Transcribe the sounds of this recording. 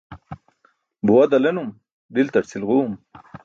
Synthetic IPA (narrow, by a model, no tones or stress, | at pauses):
buwad̪alenum | ɖilt̪aʈsilʁum